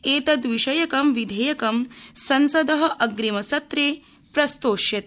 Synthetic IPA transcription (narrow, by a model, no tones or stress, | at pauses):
eːt̪ɐd̪ʋiʃɐjɐkɐmʋid̪ʱɐjɐkɐmsɐnsɐd̪ɐɦɐ̆ʔɐɡɾimɐsɐt̪ɾeː | pɾɐst̪oːʃjɐt̪̚